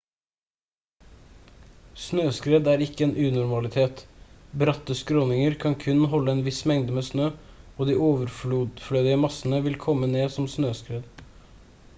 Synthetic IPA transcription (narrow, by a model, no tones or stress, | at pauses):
snøːskɾeːd̪æːɾɪkːəeːnʔʉːnʊɾmɑlɪt̪ʰeːt̪bɾɑt̪ːəskɾɔnɪŋəɾkʰɑnkʰʉnɦɔlːəɛːnʋɪsmɛŋd̪əmeːsnøː | oːd̪iːoːʋəɾfluːd̪flœʏd̪ɪəmɑsənəʋɪlkʰɔmːəneːsɔmsnøːskɾeːd̪